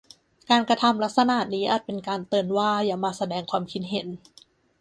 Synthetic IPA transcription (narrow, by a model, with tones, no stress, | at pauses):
kaː˧nkɾa˧t̪ʰa˧mla˦˥k̪̚sa˧na˨˩t̪̚niː˦˥ʔaː˨˩t̪̚pe˧nkaː˧nt̪ɤː˧nwaː˥˩jaː˨˩maː˧sa˧dɛː˧ŋkʰwaː˧mkʰi˦˥t̪̚ɦe˨˩˦n